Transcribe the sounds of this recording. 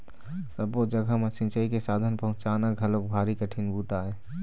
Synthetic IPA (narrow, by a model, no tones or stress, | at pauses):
səbod͡ʒəɡʱəmesɪ̃nt͡ʃəikesaːd̪ʱənpəɦʊ̃t͡ʃaːnaɡʱəlõk̚bʱaːɾikəʈʰinbuːt̪aɦɛː